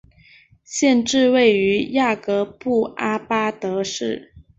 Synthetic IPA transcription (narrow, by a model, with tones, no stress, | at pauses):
ɕjɛ˥˧nʈ͡ʂɻ̩˥˧we˥˩ɪy˧˥ja˥˩kɤ˧˥pu˥˩ʔa˥pa˥t̪ɤ˧˥ʂɻ̩˥˩